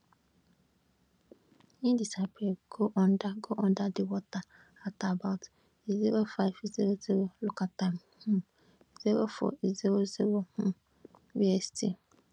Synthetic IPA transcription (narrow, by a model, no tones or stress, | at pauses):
ɲĩdisapʰeɡoʔɔ̃ndaɡoʔɔ̃ndadɪwɔta | atʰabaʊt | izeɾofaɪfiziɾoziɾolʊkʰatãm | hʊ̃ | izewofɔ̰izeɾozeɾohʊ̃ | biɛstʰi